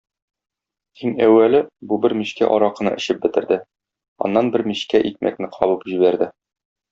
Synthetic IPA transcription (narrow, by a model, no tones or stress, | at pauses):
iŋæwːælɘbubɘɾmiɕkæ̰ʔɒɾɑqɤ̆nɤ̰ʔɘ̆ɕɘp̚bɘ̆t̪ɘ̆ɾd̪ɘ | ɒ̰nːɑnbɘɾmiɕkæʔik̚mʔæ̰k̚nɘqʰɒβɤpʑiβæɾd̪ɘ